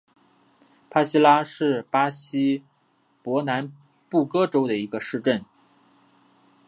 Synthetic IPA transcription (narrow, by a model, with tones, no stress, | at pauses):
pʰa˥ɕi˥la˥ʂɻ̩˥˩pa˥ɕi˥ | pwɔ˧˥na˧˥n | pu˥˩kɤ˥ʈ͡ʂo˥ʊd̪ə˨i˧˥ɡə˧ʂɻ̩˥˧ʈ͡ʂə˥˩n